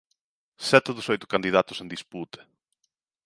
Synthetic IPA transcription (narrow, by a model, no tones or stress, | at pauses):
sɛt̪ɪðʊsojt̪ʊ̥kand̪iðat̪ʊ̥sẽnd̪isput̪e̥